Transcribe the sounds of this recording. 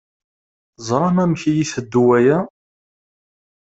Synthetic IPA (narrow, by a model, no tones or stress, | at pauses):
zˤɾˤɑmæmçijiθəd̪ːuwæjæ